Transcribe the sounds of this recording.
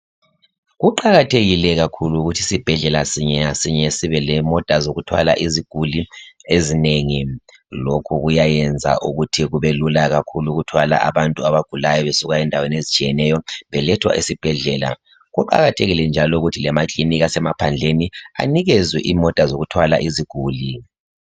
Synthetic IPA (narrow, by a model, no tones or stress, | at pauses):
ɣuǃaɣatʰeɣilɛɣakʰuluːɣutʰisib̥ʱɛɮɛlasiɲɛasiɲɛsiβɛlɛmɔtʼazoɣutʰwa̰la̰ʔiziɡ̥ʱuliezineŋi | lokʰuɣujajɛnd͡zʱa̰ʔuɣutʰiɣuβɛlulaɣakʰuluɣutʰwala̰ʔaβantʼuaβaɡ̥ʱulajɔβesuɣaɛndʱaweniezit͡ʃʰʼijɛnɛjɔβɛlɛtʰwa̰ʔisib̥ʱɛɮɛːla̰ | ɣuǃa̰ɣatʰeɣilɛnd͡ʒʱalɔuɣutʰilɛmakʼliniɣasɛmapʰand͡ɮʱenia̰niɣɛzwiʔimɔtʼazoɣutʰwala̰ʔiziɡ̥ʱuːli